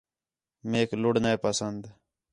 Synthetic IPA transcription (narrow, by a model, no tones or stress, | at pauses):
meːklʊɽnaeːpasənd̪